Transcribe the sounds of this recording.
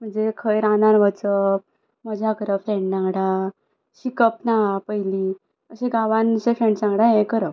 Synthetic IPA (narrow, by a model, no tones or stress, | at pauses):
m̤əɳd͡zekʰəjɾãnaɾʋət͡sə | məd͡ʑʱjakəɾəfɾẽɳɖnãŋɡɽa | ɕikəpnapəjli | əɕẽɡaʋãnsefɾẽɳɖsãŋɡɽaɦẽkəɾəp̚